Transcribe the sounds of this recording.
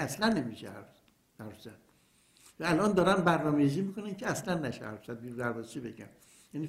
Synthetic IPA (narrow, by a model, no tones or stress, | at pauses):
æslænːemiʃḛhæ̰ɾ | æɾzæn | væælʔɒːnd̪ɒːɾænbæɾnɒːmejiziːmiːkonæncʰeæslænːæʃḛhæ̰ɾfsæd̪̚biːɾud̪æɾbɒːst͡ʃibeɟæ̰n | jæniː